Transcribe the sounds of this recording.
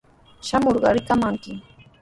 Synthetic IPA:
ʃamoɾɢɑɾɪkamaŋkɪ

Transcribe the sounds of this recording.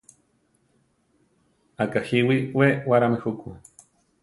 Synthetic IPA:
akahiwiwewaɾamehuku

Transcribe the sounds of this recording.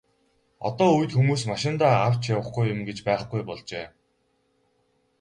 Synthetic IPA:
ɔ̰t̪ɔːuj̆t̪xumuːsmaʃɪ̆nt̪aaw̥t͡ɕjawə̆χɡujʊmɡet͡ɕpæːχɡujpɔɮt͡ɕeː

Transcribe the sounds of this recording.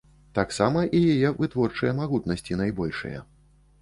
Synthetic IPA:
t̪aksamɐʔijajɛvɨt̪vɔrt͡ʂɨjɐmaɣut̪nɐsʲt͡sʲinajbɔlʲʂɨ̰jɐ̰

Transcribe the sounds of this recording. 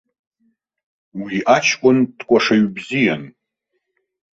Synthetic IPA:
wiʔat͡ʃʰkʷʼʊndkʷʼaʂaɥbzijan

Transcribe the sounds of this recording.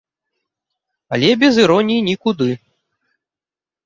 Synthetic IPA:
ɐlʲɛbʲɛzɨɾɔnʲinʲikud̪ɨ

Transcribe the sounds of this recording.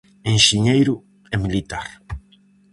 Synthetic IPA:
eŋʃiɲejɾʊ | ɛmilit̪aɾ

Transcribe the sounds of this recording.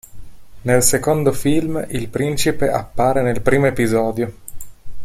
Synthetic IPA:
nelsekond̪ofilmilpɾint͡ʃipeʔapːaːɾenelpɾiːmoepizɔːd̪jo

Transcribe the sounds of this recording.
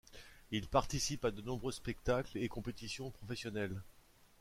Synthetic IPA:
ilpaʁt̪isipad̪ənɔ̃bʁøspɛk̚t̪aklekɔ̃pet̪isjɔ̃pχɔfɛsjɔnɛl

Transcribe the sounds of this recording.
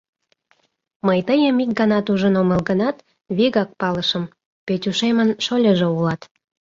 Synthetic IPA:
məjt̪əjəmik̚ɡənɑt̪uʒənoməlɣənɑt̪ | βiɣɑk̚pɑləʃəm | petʲuʃemənʃolʲəʒeulɑt̪

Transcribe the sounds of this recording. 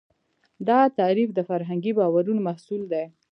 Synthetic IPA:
d̪ɑt̪ɑɾifd̪əfaɾɦaŋɡibɑwaɾunmahsuld̪ej

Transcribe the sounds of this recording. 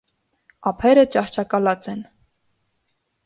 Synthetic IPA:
ɑpʰɛɾət͡ʃɑχt͡ʃʰɑkɑlɑt͡sɛn

